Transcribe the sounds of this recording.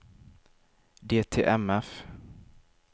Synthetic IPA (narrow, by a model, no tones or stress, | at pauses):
d̪eːt̪ʰḛːʔɛmɛf